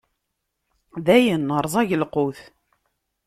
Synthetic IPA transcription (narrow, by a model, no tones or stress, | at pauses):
ðæjənːəɾˤzˤɑʝəlqʊθ